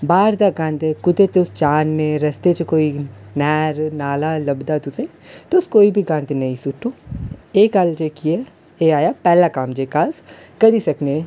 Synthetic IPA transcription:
baːɾd̪aɡãːnd̪ekʊt̪et̪ʊst͡ʃaːnːeɾɐst̪et͡ʃekoːinɛːɾnaːlalɐbd̪at̪ʊsẽt̪ʊskoːibʱiɡãːnd̪enɐĩsuʈːõeːkaːld͡ʒeːkiɛ | eːaːjapɛːlakaːmd͡ʒeːkaskɐɾisɐkne

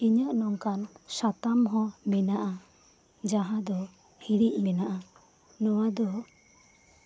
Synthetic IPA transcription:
iɲəʔnɔŋkansat̪amɦɔ̃mɛnaʔa | d͡ʒaɦãd̪ɔ | hiɽiʔ̚ˀmɛnaʔa | nɔwad̪ɔ

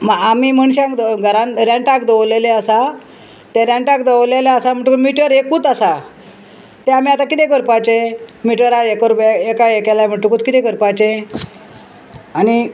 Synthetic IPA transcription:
maamim̤əɳ̃ɕãkd̪ɡʱəɾãnɾaɳʈakd̪əwleleəsa | t̪ẽɾãɳʈakd̪əʋleleasam̤əɳʈumiʈəɾekuːt̪asa | t̪ɛam̤iat̪akit̪ɛ̃k̬əɾpajt͡ɕemiʈəɾaekəɾbeekaekɛlam̤əɳʈukuːt̪kit̪ɛ̃kəɾpat͡ɕe | ani

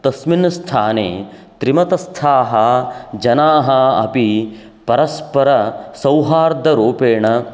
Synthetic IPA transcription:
t̪ɐsminst̪ʰaːnḛːt̪ɾimɐt̪ɐst̪ʰaːɦɐd͡ʒɐnaːɦɐɐ̰pi | pɐɾɐspɐɾɐsɐwɦaːɾd̪ʱɐɾoːpeːɳɐ

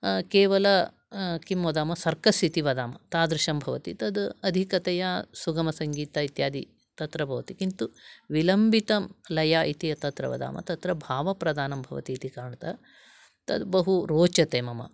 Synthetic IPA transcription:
keːʋɐlɐ | kimːɐd̪aːmɐsɐɾkɐsit̪iʋɐd̪aːmɐ̰t̪aːd̪ɾɪʃɐmbʱɐʋɐt̪it̪ɐd̪ɐd̪ʱikɐt̪ɛjasuɡɐmɐsɐŋɡiːt̪ait̪jaːd̪i | t̪ɐt̪ɾɐbʱɐʋɐt̪ikint̪uʋilɐmbʱit̪ɐmlɐjaːʔit̪iɐt̪ɐt̪ɾɐ̰ʋɐ̰d̪a̰ːmɐ̰t̪ɐt̪ɾɐbʱaːʋɐpɾɐd̪aːnɐmbʱɐ̰ʋɐ̰t̪iːt̪ikaːɾɳɐt̪ɐ | t̪ɐ̰d̪bɐɦuɾoːt͡ʃɐt̪eːmɐmɐ̰

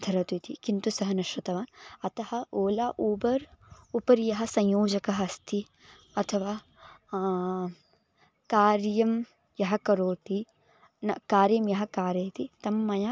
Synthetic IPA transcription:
d̪ʰʱɐɾɐt̪it̪ikint̪usɐɦɐnɐʃɾɐt̪ɐʋaːnɐt̪ɐhɐoːlaːʔubɐɾupɐɾijɐɦɐsɐ̃ɲjoːd͡ʒɐkɐɦɐst̪ʰi | ɐt̪ʰɐʋaː | kaːɾjɐm | jɐɦɐkɐɾoːt̪i | nɐkaːɾjɐmjɐɦɐkaːɾjɐjt̪it̪ɐmːɐja

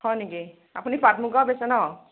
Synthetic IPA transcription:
hɔjniki | apunipatmuɡabesɛnɔ

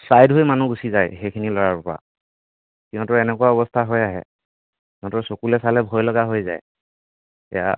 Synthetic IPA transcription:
sajdɦojmanuɡusizajxejkʰinilɔɹaɹpɔɹa̰ | kiɔ̃tʊɛnɛkʊwaɔbɔstʰaɦɔjaɦɛ̰ | kɔ̃tɔsokulɛsalɛbʱɔjlɔɡaɦojza̰j | ɛ̰ja̰

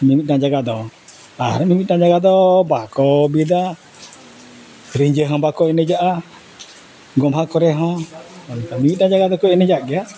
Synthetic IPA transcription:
mimit̪̚nad͡ʒaɡad̪ɔ | aɾamimit̪̚nad͡ʒaɡad̪ɔbakɔbid̪a | ɾiɲd͡ʒəɦɔ̃bakɔɛnɛd͡ʒaʔa | ɡɔmɦakɔɾɛɦɔ̃ | t̪amimit̪̚nad͡ʒaɡad̪ɔkɔɛnɛd͡ʒaɡɛa

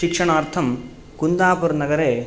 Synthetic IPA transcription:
ikʂɐɳaːɾt̪ʰɐm | kund̪aːpuɾnɐɡɐɾeː

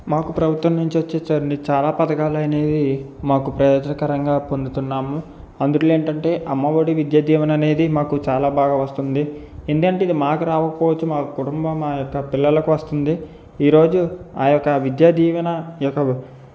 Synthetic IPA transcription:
maːkupɾɐbʱut̪ʋɐmnuɲt͡ʃiʋɐt͡ʃːet͡ʃːɐːɾɐɳɖit͡ʃaːlaːpɐd̪ɐkaːlɐne̞ːd̪i | maːkupɾɐjɔːd͡ʒɐnɐkɐɾɐŋɡaːpond̪ut̪unːaːmu | ɐnd̪uʈlːe̞ːɳʈɐɳʈe̞ːʔɐmːɐʋɐɽiʋid̪jaːd̪iːʋɐnɐne̞ːd̪imaːkut͡ʃaːlaːbaːɡaːʋɐst̪und̪i | end̪ukɐɳʈeid̪imaːkuɾaːʋɐkɐpɔːʋɐt͡ʃːumaːkɐkuʈumbɐmaːjɔkːɐpilːɐlɐkuʋɐst̪und̪i | iːɾo̞ːd͡ʒuaːjɔkːɐʋid̪jaːd̪iːʋɐnɐjɔkːɐ

